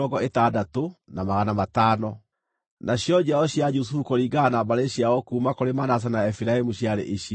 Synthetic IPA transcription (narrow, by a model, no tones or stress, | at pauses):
ɔɡɔetadatonamaɣanamataːnɔ | naɕjɔd͡ʑaɔɕjad͡ʒusufukoɾiɡanabaɾeɕiaɔkuːmakoɾemanas̬anaɛfiɾaemuɕjaɾḛʔeɕ